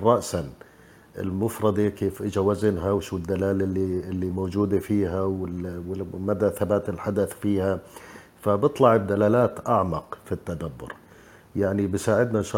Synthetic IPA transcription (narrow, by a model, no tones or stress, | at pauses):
rˤːɑʔsan | ɪ̰lmʊfɾˤɑd̪ekeːfʔɪd͡ʒawazɪnɦawʃuːɪd̪ːalaːlɪlːiɪlːimoːd͡ʒuːd̪afiːɦawɪwɪmad̪aθabaːt̪ɪlħad̪aθfiːha | fabɨt̪ˤlɑʕɪbd̪alaːlaːt̪ʔaʕmɑqfit̪ːad̪abːʊ̰ɾ | jaʕnibɪsaːʕɪd̪nanʃɑ